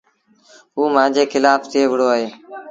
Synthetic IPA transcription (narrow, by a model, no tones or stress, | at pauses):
ɦuːmãːd͡ʒeːkɪlaːft̪ʰɪeːʋɪɽoːaːɦeː